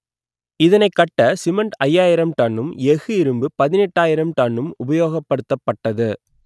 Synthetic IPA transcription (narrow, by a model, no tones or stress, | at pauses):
ɪðɐnɐɪkːɐʈːɐsɪmɐɳʈɐjːaːjɪɾɐmt̪ɐɳːɯmɛɣɯɪɾɯmbɯpɐðɪnɛʈːaːjɪɾɐmt̪ɐɳːɯmʊbɐjoːɣɐpːɐɽɯt̪ːɐpːɐʈːɐðɯ